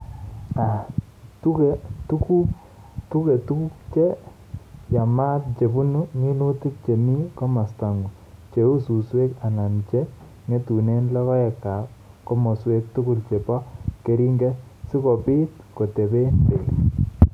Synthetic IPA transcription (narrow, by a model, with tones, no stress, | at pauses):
a˨ | tu˦ke˦tu˦ku˦ | tu˦kɛ˨t̪u˦ku˦k̚t͡ʃe˦ | ja˨ma˦t̚t͡ʃe˨bu˦nu˦ŋi˦lu˦t̪i˦k̚t͡ʃe˨mi˦kɔ˦ma˨st̪a˨ŋɡu˨ | t͡ʃe˨u˦su˨swe˦ka˨na˨nt͡ʃɛ˦ | ŋe˦t̪u˨ne˦nla˦kɔ˦ɛ˨ka˨ | kɔ˦mɔ˨swe˦k̚t̪u˦ku˦lt͡ʃɛ˨pɔ˦ke˦ɾi˦ŋɡɛ˦ | si˦ko˨pi˦t̪̚ | kɔ˨t̪e˨be˦nde˨